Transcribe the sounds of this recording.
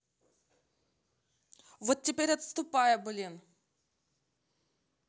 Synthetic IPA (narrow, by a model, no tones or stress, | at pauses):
vot̪̚ːʲɪpʲeɾʲɐt̪st̪ʊpajəblʲin